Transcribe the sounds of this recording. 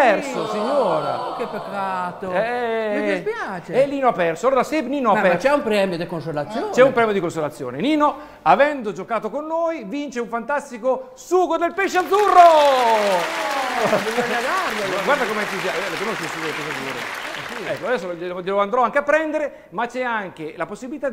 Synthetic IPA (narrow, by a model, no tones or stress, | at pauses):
ɛɾsosiɲːoːɾa̰kepːekːaːt̪oɛepjaːt͡ʃeelːiːnoapːɛrsooɾd̪aseniːnoapɛat͡ʃɛumpɾeɛmjod̪ekonsolat̪sːjot͡ʃɛumpɾɛːmjod̪ikonsolat̪sːjo̰ːneniːno | avɛnd̪od͡ʒokaːt̪okonːojvint͡ʃeuɱfant̪ast̪iko | suːɡod̪elpeʃːead̪zːurːo | iaaɡaɾjaɡwaɾd̪akomeɛt̪uzjalaomolot͡ʃ̪isuɡoekɔzad̪iːɾḛsiɛkːoad̪ɛsːolelʎeloand̪ɾɔaŋkeapːɾɛnd̪eɾe | mat͡ʃɛaŋk̟elaposːibilit̪a